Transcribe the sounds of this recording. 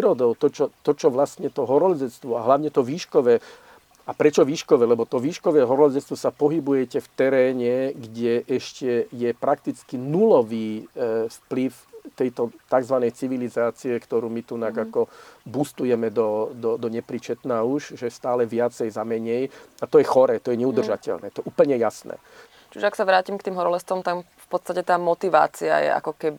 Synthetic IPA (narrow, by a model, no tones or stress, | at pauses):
ɾɔd̪ɔʊt̪ɔt͡ʃɔt̪ɔt͡ʃɔʋlast̪ɲɛt̪ɔɦɔɾɔʎd͡zɛt͡st̪ʋɔaɦlaʊɲɛt̪ɔʋiːʃkɔʋɛː | apɾɛt͡ʃɔʋiːʃkɔʋɛlɛbɔt̪ɔʋiːʃkɔʋɛːɦɔɾɔld͡zɛt͡st̪ʋɔsapɔɦibujɛcɛft̪ɛɾɛːɲɛɡɟɛʔɛʃcɛjɛpɾak̚t̪it͡skinulɔʋiːfpliwt̪ɛjt̪ɔt̪aɡzʋanɛjt͡siʋilizaːt͡siɛkt̪ɔɾuːmit̪unaɡakɔbust̪ujɛmɛd̪ɔd̪ɔd̪ɔɲɛpɾit͡ʃɛt̪naːuʃʒɛst̪aːlɛʋɪat͡sɛjzamɛɲɛjat̪ɔjɛxɔɾɛːt̪ɔjɛɲɛud̪r̩ʒacɛ̰lnɛ̰ːt̪ɔɛʔuːpl̩ɲɛjasnɛ̰ː | t͡ʃiʒɛaksaʋɾaːcimkt̪iːmɦɔɾɔlɛst̪ʋɔmt̪amfpɔt̪st̪acɛt̪aːmɔt̪iʋa̰ːt͡sia̰jɛ̰ʔa̰kɔkɛbi